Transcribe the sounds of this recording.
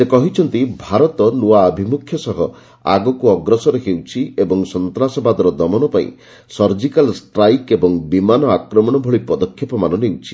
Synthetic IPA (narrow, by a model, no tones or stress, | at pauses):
sekɔɦit͡ʃʰɔnt̪ibʱaɾɔt̪ɔluaːbʱimukʰːjɔsɔɦɔ | a̰ɡɔkuɔɡɾɔsɔɾeɦewt͡ʃʰiebɔŋsɔnt̪ɾasɔbad̪ɔɾɔd̪ɔmɔnɔpaḭ̃ | sɔɾd͡ʒikalsʈɾajkebɔŋbimanɔakɾɔmɔɽ̃ɔbʱɔɭipɔd̪ɔkʰjepɔmanɔnewt͡ʃʰi̥